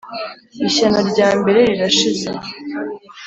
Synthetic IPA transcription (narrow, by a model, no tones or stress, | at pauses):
iɕanoɾɟaːmbe̞ɾe̞ɾiɾaʃize